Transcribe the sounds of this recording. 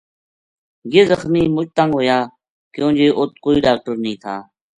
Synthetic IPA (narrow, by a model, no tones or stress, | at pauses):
jeːzəxmiːmʊt͡ʃt̪əŋɡɦoːjaː | kjõːd͡ʒeːʔʊt̪̚koːiːɖaːk̚ʈəɾnəĩːt̪ʰa̰ː